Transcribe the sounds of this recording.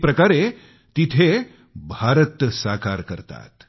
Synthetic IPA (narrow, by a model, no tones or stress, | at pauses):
pɾəkaɾe | t̪it̪ʰe | bʱaɾət̪saka̰ɾkəɾt̪a̰t̪